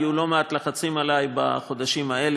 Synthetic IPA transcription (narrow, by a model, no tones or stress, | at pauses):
julo̞meat̪laχat͡simalajba̰χo̞d̪aʃimae̞l